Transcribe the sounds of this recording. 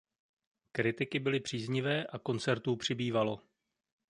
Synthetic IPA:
kɾɪt̪ɪkɪbɪlɪpr̝̥iːzɲɪvɛːʔako̞nt͡sɛɾt̪uːpr̝̥ɪbiːvalo̞

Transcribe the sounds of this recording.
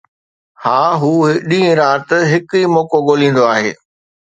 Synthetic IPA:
haːɦuːɗĩːẽɾaːt̪ɦɪkiːmɔːkoɠoːlĩːn̆d̪oaːɦḛː

